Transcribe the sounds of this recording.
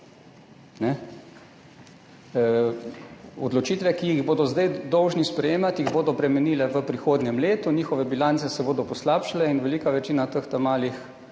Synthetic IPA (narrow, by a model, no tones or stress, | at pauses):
nɛ | ɔ̰d̪lɔt͡ʃiːt̪ʋɛkiiɣboːd̪ɔzd̪ajd̪ɔwʒnispɾɛjeːmat̪jiɣboːd̪ɔpɾɛmɛniːlɛʋəpɾixoːd̪nʲjɛmleːt̪uniːxɔʋɛbilansɛsɛboːd̪ɔpɔslaːpʃilɛinʋɛliːkaʋɛt͡ʃiːnat̪əxt̪amaːlix